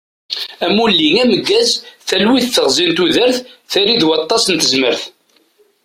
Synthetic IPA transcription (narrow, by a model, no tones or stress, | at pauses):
æmulːiŋæməɡːæzθælwiθθəʁzˤint̪uðəɾθθæɾiðwɑt̪ˤːɑsnt̪əzməɾθ